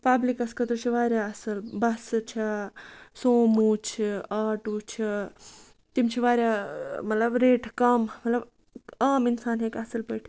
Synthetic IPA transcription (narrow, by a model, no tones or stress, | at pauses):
paːblikɐskɐt̪ɾut͡ʃʰiʋaːɾʲjaːɐsɐlbɐst͡ʃʰa | soːmut͡ʃʰiaːʈut͡ʃʰi | t̪imt͡ʃʰiʋaːɾʲjamɐt̪lɐbɾeːʈʰkɐmmɐt̪lɐb | kaːminsaːnɦeːkasɐlpɐːʈʰi